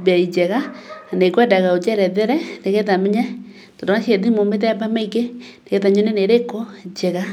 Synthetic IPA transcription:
baid͡ʒɛɣanekwɛdaɣaod͡ʒɛɾɛðɛɾɛndeɣɛtamɛɲa | tɔdonaʃeðimomet̬ɛbamɛikendeɣɛt̬aɲoneneɾekod͡ʒɛɣa

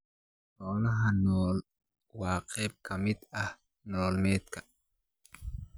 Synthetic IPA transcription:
ɔːnɐɦɐnoːl | waːqʰɛb̚kɐmit̪ɐh | noːlmeːt̪ka

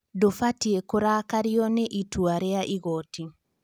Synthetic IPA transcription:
dofatiekoɾakaɾiɔnɛʔituaɾeaʔiɣɔti

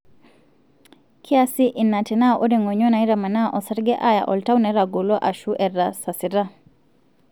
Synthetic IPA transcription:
kʰiasiʔinatɛnaʔɔdɛŋɔɲɔnaiɾamanaʔɔsaɾɡɛʔaja̰ʔɔltawnɛɾaɡɔlɔʔaʃuʔɛɾasasiɾa

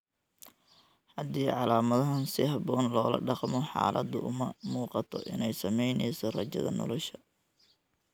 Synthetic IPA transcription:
ħɐd̪iːʕɑlaːmɐðɐɦɐnsɪhɑbɔːnlɔːlɐ̰ɖɑqmɔħɑ̰ːlʔɐd̪ʊʔʊmɐmuːqɑt̪ʰɔʔɪnɛjsɐmɛjnɛjsɔrɐt͡ʃɐ̰ðɐ̰nɔ̰lɔʃɐ

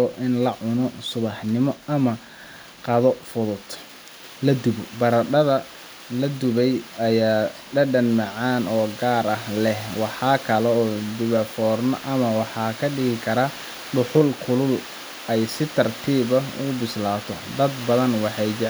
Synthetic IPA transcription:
ɔʔɪnlɐʕʊnɔsʊβɑħnɪmɔɐmɐ | qɑðɔfʊðʊd̪ | lɐd̪ʊβɔbɐɾɐɖɐðɐ | lɐd̪ʊβɛjɐjaː | ɖɐɖɐnmɑʕɑːnɔːɡaːɾɐhlɛhwɑħɑːkʰɐlɛɔːd̪ʊβɐfɔːrnɐ̰ʔɐmɐwɑħɑːkʰɐɖɪɣɪkʰɐɾɐ | ɖʊħʊlkʰʊlʊl | ɛjsɪt̪ʰɐrt̪ʰiːβɐʊ̰ʊbɪslaːt̪ʰɔ̰d̪ɐd̪bɐðɐnwɑħɑjd͡ʒɪ

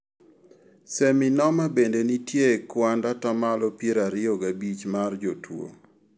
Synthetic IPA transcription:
seminɔmabendenitjekwandatamalɔpjeɾaɾɪɔɡabit͡ʃmard͡ʒotwo̰

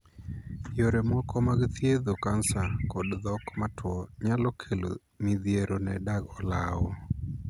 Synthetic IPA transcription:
joɾɛmɔkʰɔmaɡt̪ʰjed̪okansakɔdðɔkmatʰwɔɲalɔkʰelo̰ | miðjeɾonɛdaɡɔlawɔ

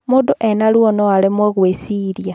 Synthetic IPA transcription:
muduʔenalwonoalemweɣwesiɾja

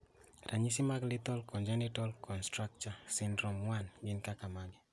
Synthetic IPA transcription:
ɾʔaɲis̬imaklit̪ɔlkɔnd͡ʒɛnitɔlkɔnstɾak̚t͡ʃasindɾɔmwanɡɪnkakamali

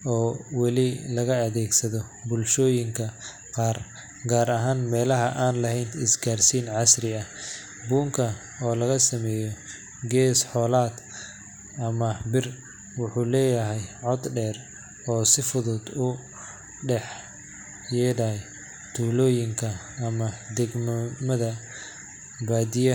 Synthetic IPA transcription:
ɔːwɑlɪlɐɣɐːðɛːɡsɐðɔ | bʊlʃɔːjɪŋkʰɐ | qɑːr | ɡaːɾɐɦaːnmɛːlɐɦɐʔaːnlɐɦɛjnɪsɡaːrsiːnʕɑsrɪɐ | buːŋkʰɐ | ɔːlɐɣɐsɐmɛːjɔ | ɡɛːsħɔːlaːd̪ | ɐmɐbɪr | wʊħuːlɛːjɐɦɛjʕɔd̪ɖɛːr | ɔːsɪfʊðʊd̪ʊ | ɖɛħ | jɛːdɐj | t̪ʰuːlɔːjɪŋkʰɐː | mɐd̪ɛɡmɐmɐðɐ | baːd̪ɪjɐ

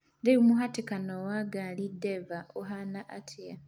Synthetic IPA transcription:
ndeumuɦatikanowaɡalidevaoɦanaʔatʰija

